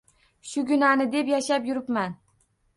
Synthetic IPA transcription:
ʃʊɡʲʊnanɪd̪e̞pjaʃapjʊɾɪpman

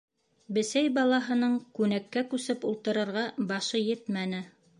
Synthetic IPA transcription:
bɘ̆sæjbɑlˠɑɦɤ̆nɤɴkʉnækːækʉsɘpulˠt̪ɤ̆ɾɤ̆ɾʁɑbɑʃɤjɘt̪mænɘ

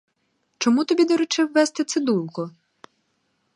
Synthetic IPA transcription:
t͡ʃɔmut̪ɔbʲid̪ɔɾʊt͡ʃɪwːɛst̪ɪt̪sɪd̪ulˠkɔ

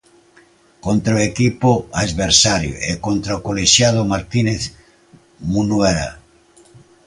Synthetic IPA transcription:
kont̪ɾaoekipoaðβeɾsaɾjo̰ʔḛkont̪ɾaokoleʃjaðʊmaɾt̪ineθ | munweɾa̰

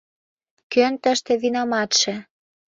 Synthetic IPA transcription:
kønt̪əʃt̪ĕβinɑmɑt̪ʃĕ

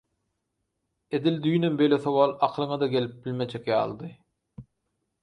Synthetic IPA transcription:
e̞d̪ild̪yjnømbejlʲeθowɑːlˠɑqʰlˠɯŋɑd̪ɑɡe̞lip̚bilʲme̞d͡ʒekjɑ̰ːlˠd̪ɯ

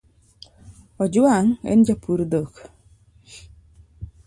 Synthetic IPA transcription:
ɔd͡ʒʊaŋɛ̰nd͡ʒapʰuɾd̪ok

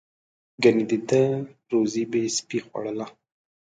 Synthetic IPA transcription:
ɡanid̪id̪əɾozibespixwa̰ɽəla

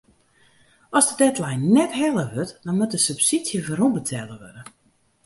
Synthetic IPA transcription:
ɔzdədɛtlɛjnːɛtɦɛlˠəʋøtdɔnmut̚dəsypsisjəvəɾunbətʰɛlˠəʋø̰də

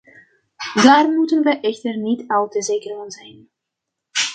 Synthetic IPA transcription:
daːrmutənʋəʔɛxtərnitawtəzeːkərŋənzɛjn

